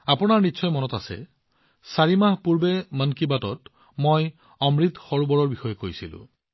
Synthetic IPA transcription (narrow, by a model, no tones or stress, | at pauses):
apʊnaɹnitːsɔjmɔnɔtasɛ̰ | saɹimaɦpuɹbemənkibatɔt | moj | ɔmɹit̪xɔɹubɔɹɔɹbixɔjekoɹjsilʊ̰̃